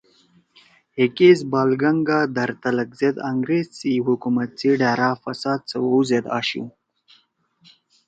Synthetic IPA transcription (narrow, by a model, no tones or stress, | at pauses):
hekezbɑːlɡɐŋɡaːd̪ɐɾt̪ɐlɐkzed̪aŋɡɾezt͡siɦukumɐt̪̚t͡siɖaːɾaːfɐsaːd̪̚t͡sɐwouzed̪a̰ːɕṵ